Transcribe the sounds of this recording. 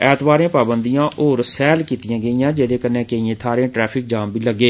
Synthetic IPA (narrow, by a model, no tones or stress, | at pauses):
ɛːt̪ʰbaːɾẽːpaːbənd̪ijãːʔoːɾsɛːlkiːt̪ijãːɡəĩːãːd͡ʒeːd̪eːkənːẽːkəĩːẽːt̪ʰaːɾẽːʈɾɛːpʰɪk̚d͡ʒaːmbʱiːləɡːeː